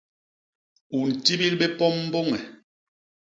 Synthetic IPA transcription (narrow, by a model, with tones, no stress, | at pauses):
u˨n̩˨ti˦bi˦lɓe˦pɔ˦m̩ː˦bo˦ŋɛ˨